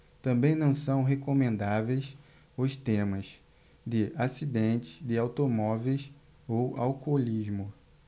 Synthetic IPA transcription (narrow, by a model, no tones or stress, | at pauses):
t̪ɐ̃mbẽj̃nɐ̃w̃sɐ̃w̃ɦekomẽnd̪avejs | ʊst̪ẽmɐs | d̪ɪasid̪ẽnt͡ʃ̪ɪ̥zd̪ɪawt̪omɔvejs | owa̰wkolizmʊ